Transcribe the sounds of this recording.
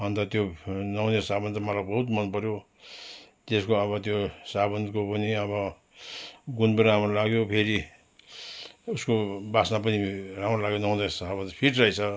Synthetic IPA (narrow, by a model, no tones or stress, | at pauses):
ʌnt̪ʌt̪jonʌwnesabʌnt̪ʌmalakbʌɦut̪mʌnpʌɾjo | t̪eskoʌβʌt̪josabʌnd̪kopʌniʌbʌ | ɡunbuɾamrʌlaɡjopʰeɾi | uskobasnapʌniɾamɾʌlaɡjonʌw̃nd̪esabʌnt̪pʰiʈrʌit͡sʰʌ